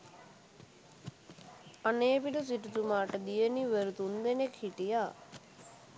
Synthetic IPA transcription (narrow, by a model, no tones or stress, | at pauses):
əneepiɖus̬ɪʈt̪umaːʈd̪ijeːniːʋəɾt̪ɦũnd̪eːneːkʰiʈijaː